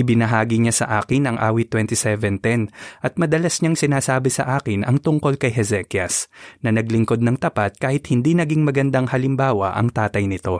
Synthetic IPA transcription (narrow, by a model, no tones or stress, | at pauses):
ʔɪbɪnɐɦaːɡɪɲasɐ̰ʔaːkɪnɐŋʔa̰ːwit̪wɛnt̪isɛvɛnt̪ɛnʔɐt̪̚mɐd̪ɐlasɲaŋsɪnaːsaːbɪsɐ̰ʔaːkɪnɐŋt̪ʊŋko̞lkɐjɦɛzɛkjɐsnɐnɐɡlɪŋko̞d̪̚nɐŋt̪ɐpat̪̚kaːhɪt̪̚hɪnd̪inɐɡiŋmɐɡɐnd̪aŋhɐlɪmbaːwɐ̰ʔɐ̰ŋt̪aːt̪ɐjnɪt̪o̞